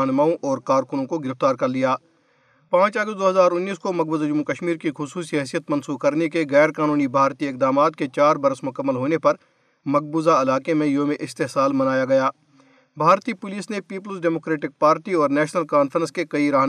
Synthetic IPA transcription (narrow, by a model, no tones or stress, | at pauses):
ɦnmaːõʔɔːɾkaːɾkʊnõkoɡɪɾɪft̪aːɾkɐɾlijaː | pãːt͡ʃɐɡəst̚d̪oːɦɐzaːɾʊnːiːskomɐɡ̚bəzd͡ʒʊmːukəʃmiːɾkixʊsuːsiɦɛːsijət̪mɐ̃nsuːkɐɾnekeɣɛːɾkaːnuːnibʱaːɾt̪iɪk̚d̪aːmaːt̪ket͡ʃaːɾbɐɾəsmʊkəmːəlɦoːnepɐɾ | mɐɡ̚buːzaɪlaːkemẽjoːmẽʔɪst̪eɦsaːlmɐnaːjaɡɐjaː | bʱaːɾt̪ipʊliːsnepiːp̬əlsɖɛːmoːkɾeːʈɪk̚paːɾʈiɔːɾnɛːʃnəlkaːnfʰəɾə̃skekɐiɾaːɦ